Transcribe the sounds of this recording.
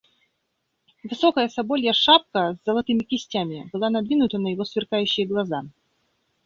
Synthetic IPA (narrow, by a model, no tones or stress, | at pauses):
vɨsokəjəsɐbolʲjəʂap̚kəzːəlˠɐt̪ɨmʲɪkʲɪsʲtʲamʲɪbɨlˠanɐd̪vʲinʊt̪ənəjɪvosvʲɪrkajʉɕːɪjɡlˠɐza